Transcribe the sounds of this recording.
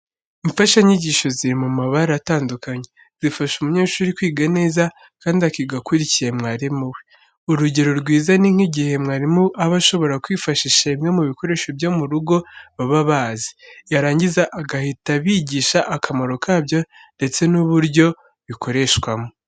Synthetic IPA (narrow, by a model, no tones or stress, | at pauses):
iɱfaʃaɲiɟiːʃo̞ziɾimumaβaɾaataːndukaɲe̞ | z̥ifaʃumuɲe̞ːʃuːɾikwiːɡane̞ːza | kaːndiakiɡakuɾicije̞mŋaːɾimuwe | uɾuɟe̞ɾo̞ɾɡwiːzaniŋ̥iɟihe̞mŋaːɾimuʔaβaʃo̞βo̞ɾakwiːfaʃiʃaimŋe̞muβiko̞ɾe̞ʃo̞bjomuɾuɡo̞βaβaβaːzi̥jaɾaːɲɟizaʔaɡahitaβiːɟiːʃaʔːkʰamoɾo̞kʰaːbjo̞nde̞t͡se̞nuβuɾɟo̞ | βikʰo̞ɾe̞ʃkwamo